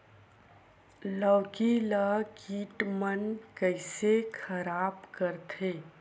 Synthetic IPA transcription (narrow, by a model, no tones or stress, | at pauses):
ləːkiləkiːʈmənkəɪsekʰəɾaːbkəɾt̪ʰeː